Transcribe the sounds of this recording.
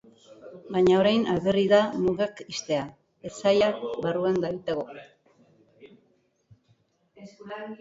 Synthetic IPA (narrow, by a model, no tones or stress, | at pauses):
baɲao̞ɾajnalɣeriðamuɣakist̪e̞a | esajakbaruand̪ait̪aɣo